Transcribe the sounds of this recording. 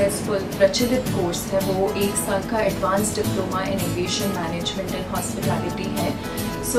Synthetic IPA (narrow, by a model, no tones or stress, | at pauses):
spʊlpɾɐt͡ʃɪlɪt̪koːɾsɦɛ̃ʋoʔeːksɐ̃ŋkʰaɛɖʋãːnsɖɪploːmaʔɪnoʋeːʃənmɛːneːd͡ʒmɛ̃ɳʈənɦɔːspɪʈɛːlɪʈiɦɛ̃ː | s